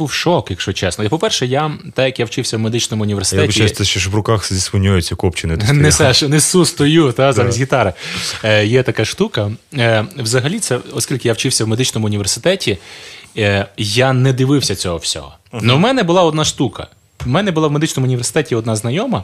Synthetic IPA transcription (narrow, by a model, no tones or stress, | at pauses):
buwʃɔkjɐkʃɔt͡ʃɛsnɔjpɔpɛrʃɛjat̪ɛjɐkjawt͡ʃɪwsʲɐwmed̪ɪt͡ʃnɔmʊʊnʲiʋʲersɪj̪ɛiɛst̪ɛʃt͡ʃɔʃʋɾʊkaxzʲispʊnʲujʊt͡sʲːɐkɔpt͡ʃɪnɪt̪nɛsɛʃɔnɛsust̪ɔjut̪azamʲizʲɦʲit̪ɑɾɪ | jɛt̪ɐkɑʃt̪ukɐ | wzɐɦɐlʲit̪sɛɔskʲilʲkɪjawt͡ʃɪwsʲɐwmed̪ɪt͡ʃnɔmʊʊnʲiʋʲersɪ̥t̪ɛtʲi | janɛd̪ɪʋɪwsʲɐt͡sʲɔɦɔwsʲɔ̰ɦɔ | nɔwmɛnɛbʊlˠɑɔd̪nɑʃt̪ukɐ̰ | wmɛnɛbʊlˠɑwme̞d̪ɪt͡ʃnɔmʊnʲiʋersɪ̥t̪ɛtʲiɔd̪nɑznɐjɔmɐ